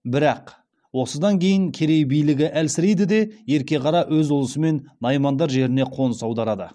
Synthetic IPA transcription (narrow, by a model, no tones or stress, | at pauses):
bɪɾɑq | wo̞səd̪ɑŋkʲʰe̞jɪŋkʲʰe̞ɾe̞jbijlɪɡʲɪʔælsɪɾejd̪ɪd̪e̞je̞ɾkʲe̞qʰɑɾɑwɵzʊlˠəsəme̞nːɑjmɑnd̪ɑɾʒe̞ɾɪne̞qʰo̞nəsɑwd̪ɑɾɑd̪ə̰